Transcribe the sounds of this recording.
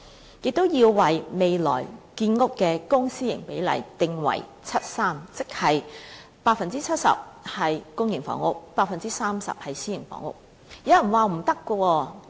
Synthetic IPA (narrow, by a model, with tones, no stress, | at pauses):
jɪ˨k̚t̪o˥wjiː˧wwɐ˨jme˨˧jlɔ̰ː˨˩jkiː˧nŋʊ˥kkːɛː˧kʊ˥ŋsiː˥jɪ˨˩ŋpe˨˥jlɐ̰˨˩jt̪ɪ˨ŋwɐ̰˨˩j | t͡sʰɐ˥t̚saː˥mt͡sɪ˥k̚hɐ˨j | paː˧˥k̚fɐ˨nt͡siː˥t͡sʰɐ˥t̚sɐ̰˨p̚hɐ˨jkʊ˥ŋjɪ˨˩ŋfɔ̰ː˨˥ŋʊ˥k̚paː˧k̚fɐ˨nt͡siː˥saː˥msɐ̰˨p̚hɐ˨jsiː˥jɪ˨˩ŋfɔ̰ː˧˥ŋʊ̰˥k̚ | jɐ˨˧wɐ˨˩nwaː˨m̩˨˩t̪ɐ˥kʷːɔː˧wɔː˧